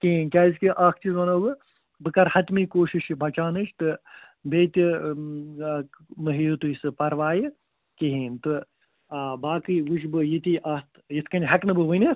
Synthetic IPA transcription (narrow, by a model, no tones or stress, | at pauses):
kiɦinkʲaːzʲkiʔaːkʰt͡ʃizɐnɐʋɨ | bɨkɐɾhɐt̪mikoːʃiʃibɐt͡ʃaːnɨt͡ʃt̪ɨ | beːt̪ʲi | mɨɦijut̪ujisɨpɐɾʋaːji | kiɦint̪ɨ | baːkɨjʋuʃbɨjit̪iʔɐt̪ | jit̪ʰkɐnʲɦɐknɨbɨʋɨnʲɨ